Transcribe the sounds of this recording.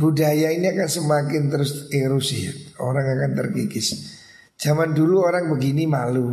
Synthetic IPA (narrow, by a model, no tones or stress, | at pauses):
budajainiakansəmakɪnt̪əɾʊseɾʊsɪho̰ɾaŋakant̪ərkikɪs | d̥d͡ʒ̥amanduluoɾaŋbəɡinimalu